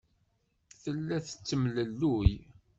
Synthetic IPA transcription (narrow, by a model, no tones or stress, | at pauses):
θəlːæθət͡sːəmləlːuj